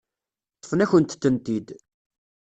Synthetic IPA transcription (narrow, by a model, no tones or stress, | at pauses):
t̪ˤːfnæçənt̪θənt̪id̪